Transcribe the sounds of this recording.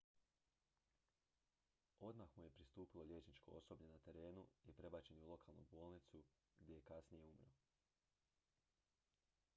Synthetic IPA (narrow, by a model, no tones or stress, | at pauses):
o̞d̪maxmuje̞pɾist̪uːpilˠo̞ʎʲje̞ːt͡ʃnit͡ʃko̰o̞so̞bɲenat̪e̞ɾe̞ːnuipɾe̞bat͡ɕe̞niulo̞kʰalˠnṵbo̞ːlˠnit̪su | ɡdʲje̞jekasnije̞umɾo